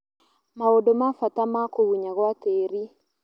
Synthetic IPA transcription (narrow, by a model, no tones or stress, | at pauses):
maodomafatamakoɣuɲaɣwateɾi